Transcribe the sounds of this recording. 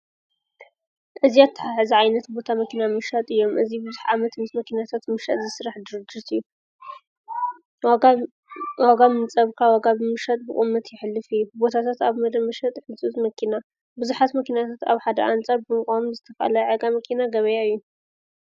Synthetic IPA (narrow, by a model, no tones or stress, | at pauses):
ʔɨziat̪ʰːħaħɨziʕajnɐt̪bo̞t̪ʰamɐkʰinamɨʃat̪ʼɨjːo̞mʔɨzibɨzuħʕamɐt̪mɨsmɐkʰinat̪ʰat̪mɨʃa̰t̪zɨsɨɾaħd̪ɨɾɨd͡ʒit̪ʰɨjːu | waɡamɨnt͡sʼɐβkʰawaɡabɨmɨʃat̪ʼbɨχʼɨmːɐt̪ʰjɪħɨlːɨfɨjːubo̞t̪ʰat̪ʰat̪aβmɐd̪ɐmːɨʃɐt̪ʼħɨt͡sʼut̪ʼmɐkʰina | bɨzuħat̪mɐkʰinat̪ʰat̪a̰βħad̪ɐ̰ʔant͡sʼaɾbɨmɨkʼamzɨt̪ʰɐfa̰lɐʕeɡamɐkʰinaɡɐβɐjaɨjːu